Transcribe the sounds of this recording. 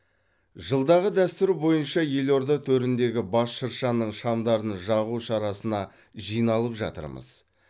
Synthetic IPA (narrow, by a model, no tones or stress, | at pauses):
ʒəlˠd̪ɑʁəd̪æst̪ɪɾubo̞jənʃɑje̞lʲo̞ɾd̪ət̪ʰɵɾɪnd̪e̞ɡʲɪbɑsʃəɾʃɑnəɴʃɑmd̪ɑɾnʒɑʁuʃɑɾɑsənɑ | ʒijnɑlˠəpʒɑ̰t̪ə̰ɾmə̰z̥